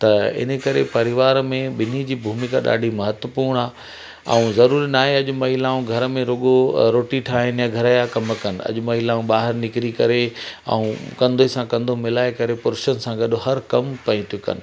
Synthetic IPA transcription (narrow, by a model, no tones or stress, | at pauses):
t̪ɐɪ̰n̤ə̆kɐɾepɐɾɪʋaːɾmẽɓɪn̤id͡ʑiːbʱuːmɪkaɗa̰ːɖʱimɐɦət̪wəpuːɾɳ̃aː | ɛ̰̃ũzɐɾuːɾinaːɦeɐʄʊmɐɦilaːũɡʱɐɾəmẽɾoɡoɾoːʈiʈʰaːɦɪnɪjãɡʱɐɾajakɐmkɐnɪ̆ɐ̰ʄʊmɐɦilaːũɓaːɦɪɾnɪkɾikɐɾeɛ̰̃ũkɐ̃nd̪osãkɐ̃nd̪ʱomɪlaːekɐɾepʊɾɪʃənɪ̆sãɡɐɗʊhɐɾkɐmpɐ̃ĩt̪ʰijukɐ̰nɪ̆